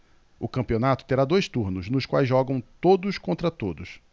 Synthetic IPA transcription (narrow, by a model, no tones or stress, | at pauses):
ʊkɐ̃mpionat̪ʊ̥t̪eɾad̪ojst̪uɾnʊʃnʊʃkwa̰jzʒɔɡɐ̃w̃t̪od̪ʊskõnt̪ɾɐt̪od̪ʊs